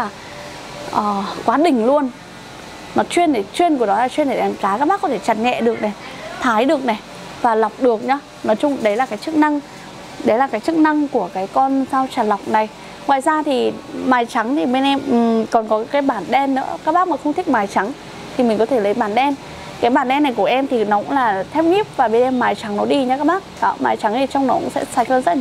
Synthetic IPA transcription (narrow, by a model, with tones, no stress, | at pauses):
aː˨˩ | ʔəː˨˩kwaː˨˦ɗï˨˩ŋ̟lu˧ən | mɔ˨˩t͡ɕwi˧ənɗe˧˩t͡ɕwi˧ənku˧˩ənɔ˨˦laː˨˩t͡ɕwi˧ənɗe˧˩ɗa˨˦nkaː˨˦kaː˦˥ɓaː˦˥kɔ˨˦t̪ʰe˧˩t͡ɕa˨˩nŋɛ̰˧˨ɗɨ˨˩ək̚nɛ˨˩t̪ʰaː˨˦jɗɨ˨˩ək̚na˨˩ | vaː˨˩la˨˩wk͡p̚ɗɨ˨˩ək̚ɲɔː˧ | nɔ˨˦jt͡ɕʊ˧ŋ͡mɗə˨˦jlaː˨˩kaː˨˦jt͡ɕɨ˦˥k̚na˧ŋ | ɗə˨˦jlaː˨˩kaː˨˦jt͡ɕɨ˦˥k̚na˧ŋku˧˩əkaː˨˦jkɔ˧nsaː˧wt͡ɕaː˨˩la˨˩wk͡p̚na˨˩j | ŋwa̰ː˧˨jzaː˧t̪ʰi˨˩maː˨˩jt͡ɕa˨˦ŋt̪ʰi˨˩ɓe˧nʔɛ˧m˨˩kɔ˨˩nkɔ˨˦kaː˨˦jɓaː˧˩nɗɛ˧nːɨ̰˧˥əkaː˦˥k̚ɓaː˦˥k̚maː˨˩xə˧wŋ͡mt̪ʰi˦˥k̚maː˨˦jt͡ɕa˨˦ŋ | t̪ʰi˨˩mï˨˩ŋ̟kɔ˨˦t̪ʰe˧˩lə˨˦jɓaː˧˩nɗɛ˧n | kaː˨˦jɓaː˧˩nɗɛ˧nːa˨˩jku˧˩əʔɛ˧mt̪ʰi˨˩nɔ˨˦kʊ̰˧˥ŋlaː˨˩t̪ʰɛ˦˥w̚ɲi˦˥əp̚vaː˨˩ɓe˧nʔɛ˧mːaː˨˩jt͡ɕa˨˦ŋnɔ˨˦ɗi˧ɲa˧kaː˦˥k̚ɓaː˦˥k̚ɔ̰˨˦maː˨˩˦jt͡ɕa˨˦ŋt̪ʰi˨˩t͡ɕɔ˧wŋ͡mnɔ˨˦kʊ̰˧˥ŋ͡msɛ̰˧˥saː˧˩jhə˧nzə˦˥la˨